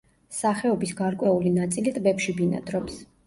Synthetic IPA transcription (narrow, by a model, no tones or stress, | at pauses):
saχɛɔbisɡaɾkʼwɛulinat̪sʼilit̪ʼbɛpʃibina̰d̪ɾɔps